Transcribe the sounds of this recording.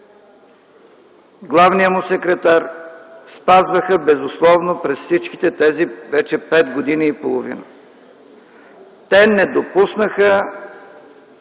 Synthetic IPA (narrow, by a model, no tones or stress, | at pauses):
ɡlˠavnijəmʊsɛkɾɛt̪aɾspazvəxəbɛzʊslˠɔvnopɾɛsfsit͡ʃki̥t̪ɛt̪ɛzivɛt͡ʃɛpɛd̪ɡod̪iniːpolˠovḭnə̰ | t̪ɛnɛd̪opusnəxə